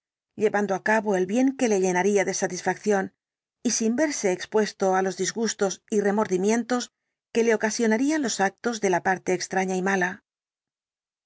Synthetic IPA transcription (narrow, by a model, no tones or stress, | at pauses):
ʎe̞βand̪oakaβo̞e̞lβje̞ŋke̞le̞ʎe̞naɾiaðe̞sat̪isfakθjo̞n | isimbe̞ɾse̞ːkspwe̞st̪o̞alo̞zðizɣust̪o̞sire̞mo̞ɾðimjẽ̞nt̪o̞s | ke̞le̞o̞kasjo̞naɾianlo̞sak̚t̪o̞zðe̞lapaɾt̪e̞ːkst̪ɾaɲaimala